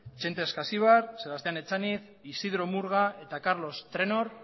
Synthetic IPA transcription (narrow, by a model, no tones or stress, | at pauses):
t͡ʃe̞nt̪eskasiβaɾselβast̪e̞ane̞t͡saniθ | isiðɾo̞muɾɣae̞t̪akaɾlo̞st̪ɾe̞no̞ɾ